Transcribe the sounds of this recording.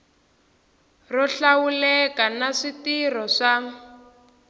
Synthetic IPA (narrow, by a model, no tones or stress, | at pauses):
rɔɬawulɛkanaʂitirɔʂa